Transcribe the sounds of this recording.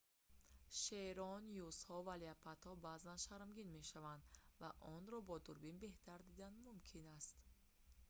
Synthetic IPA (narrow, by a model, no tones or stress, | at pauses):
ʃeɾɔnjushɔvaliapʰat̪hɔbazanʃaɾmɡinme̞ʃavand̪vaʔɔnɾɔbɔd̪uɾbinbe̞ht̪ʰaɾd̪id̪anmumkʰinast̪